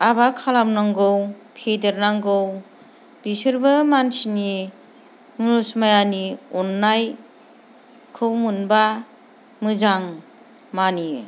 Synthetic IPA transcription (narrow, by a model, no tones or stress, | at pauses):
abakʰalamnaŋɡɯwpʰedeɾnaŋɡɯw | b̥isɯɾbɯmansini | munusmajaniɔnːaj | kʰɯwmunba | mɯzaŋ | mani